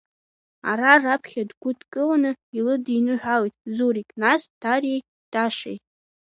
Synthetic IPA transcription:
a̰ɾarapʰχʲadɡʷʊtʰʼkʼɨlanɨilɨdinɨħᶣʷalitʼzuɾikʼnasd̥ʰarij | d̥aʂejtʼ

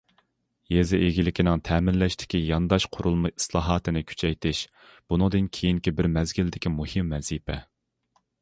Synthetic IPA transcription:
jezɪʔeɡʲilɪkʲinɪŋt̪ʰɛːmɪnlɛʃt̪ʰɪ̥kʲijɑnd̪ɑʃqʰʊɾulˠmɑi̥slˠɑːɦɑːt̪ʰɨnɪkʲʰy̥t͡ʃʰɛjt̪ʰɪʃ | b̥unɨŋd̪ɨnkʲʰejiŋkʲibɪɾmɛzɡʲild̪ɪkʲimuhɨmːɛz̥ipʰɛ

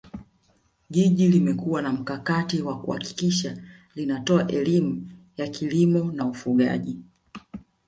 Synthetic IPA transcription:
ɡiʄilimɛkuwanam̩kakatiwakuha̰ki̥kiʃa | linatɔaʔɛlimu | jakʰilimɔnaufuɠa̰ʄi

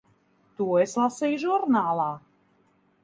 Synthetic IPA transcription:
t̪uɔeslˠasijʒuɾnaːlˠaː

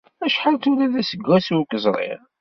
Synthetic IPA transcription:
æʃħalt̪ulæðæsəɡːæswkːəzˤɾˤɪ̰ʁ

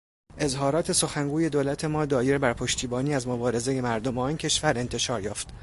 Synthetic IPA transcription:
ʔe̞zɦɒːɾɒːt̪ʰe̞so̞xæŋɡuːje̞d̪oːlæt̪ʰe̞mɒːd̪ɒːje̞ɾbæɾpʰo̞ʃt̪iːbɒːniːæzmo̞bɒːɾe̞ze̞je̞mæɾd̪ombɒːiːncʲʰe̞ʃvæɾe̞nt̪ʰe̞ʃɒːɾjɒːft̪

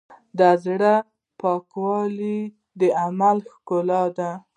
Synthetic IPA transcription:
d̪azɽa | pɑkwɑli | d̪əamalxkolɑd̪a

